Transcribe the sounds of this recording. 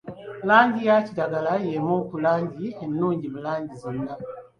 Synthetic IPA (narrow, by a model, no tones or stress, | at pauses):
laːɲɟijacidaɡalajemoːkulaːɲɟienːuːɲɟiβulaːɲɟizinːa